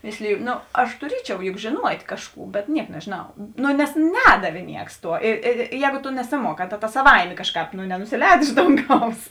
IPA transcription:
ˈmʲeːsʲlʲɪjʊ ˈnoː ɐʃ tʊˈrʲiɛt͡ʃʲɛʊ jʊk ʒʲeːˈnuɔtʲ ˈkɑːʃˌkuː bʲɛt ˈnʲiɛk nʲɛʒʲeːˈnɐʊ noː nʲɛs ˈnʲæːdɐʋʲeː ˈnʲiɛks ˈtuɔ ɪ ɪ ɪ ˈjɛːɡʊ tʊ nʲɛsʲɪˈmuɔˌkɑː tɐ ˈtɐs sɐˈʋɐɪmʲeː ˈkɑːʃˌkɑːp nʊ nʲɛnʊsʲɪˈlʲɛːt ˈɪʃ doːŋˌɡɐʊs

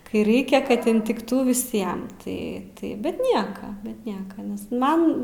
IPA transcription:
ˈkɐɪ ˈrɐɪkʲɛ ˈkɐt ɪnʲtʲɪkˈtuː ʋʲɪˈsʲiɛm tɐɪ ˈtɐɪ bʲɛt ˈnʲiɛkɐ bʲɛt ˈnʲiɛkɐ ˈnʲɛs ˈmɐn

